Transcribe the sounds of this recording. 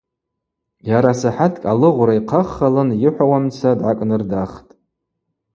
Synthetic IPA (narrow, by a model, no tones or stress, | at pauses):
jaɾasaħatʰkʼalɨʁʷɾaiqʰaχːalɨnjɪħʷawamt͡sʰadʕakʼnɨrdaχtʼ